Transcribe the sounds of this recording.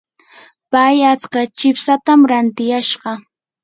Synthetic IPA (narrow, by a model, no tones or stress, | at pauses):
pajat͡skat͡ʃɪpsat̪amɾant̪ɪjaʃɢɑ